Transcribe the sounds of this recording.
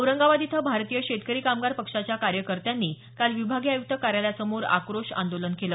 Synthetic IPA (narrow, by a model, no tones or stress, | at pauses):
əwɾəŋɡaʋad̪it̪ʰəbʱaɾt̪ijəɕet̪kəɾiːkamɡaɾpəkʂat͡ɕjakaɾjəkəɾt̪janːiː | kalʋibʱaɡiajuk̚t̪ʰəkaɾjaljasəmoɾa̰kɾoʂã̰nd̪olənkelə